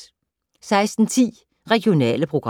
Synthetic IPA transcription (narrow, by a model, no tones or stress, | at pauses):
sɑ̈ɪsd̥n̩t͡sʰḭː | ʁɛɡ̥jo̝nɛ̰ːləpʰʁoɡ̥ʁ